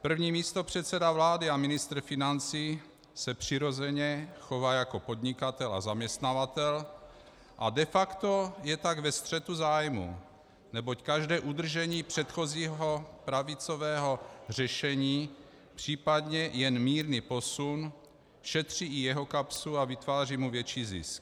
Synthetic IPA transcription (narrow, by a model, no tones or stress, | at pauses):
pr̩vɲiːmiːst̪o̞pr̥ɛt̪sɛdavlaːdɪamɪnɪst̪ɾ̩fɪnant͡siː | sɛpr̝̥ɪɾo̞zɛɲɛxo̞vaːjako̞po̞d̪ɲɪkat̪ɛla̰zamɲɛst̪navat̪ɛl | ʔadɛfakt̪o̞jɛt̪aɡvɛst̪r̝̥ɛt̪uzaːjmṵ | nɛbockaʒdɛːʔud̪r̩ʒɛɲiːpr̝̥ɛt̪xo̞ziːɦo̞pɾavɪt͡so̞vɛːɦo̞r̝ɛʃɛɲiː | pr̥iːpadɲɛjɛnmiːɾnipo̞sun | ʃɛt̪r̝̥iːɪjɛɦo̞kapsuavɪt̪vaːriːmuvjɛt͡ʃiːzɪ̰sk